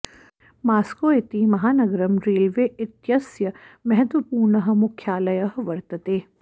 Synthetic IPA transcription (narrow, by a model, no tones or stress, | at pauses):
maːskoːet̪imɐɦaːnɐɡɾɐmɾeːlʋeːɪt̪jɐsjɐmɛɦɛt̪ʋɐpuːɾɳɐɦ̆mʊkʰjaːlɐjɐɦʋɐɾt̪ɐt̪eː